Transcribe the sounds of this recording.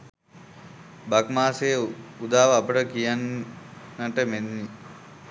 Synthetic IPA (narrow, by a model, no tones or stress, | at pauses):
bakmaːsejəud̪aːʋəapəʈəkijanː | əʈəmenːi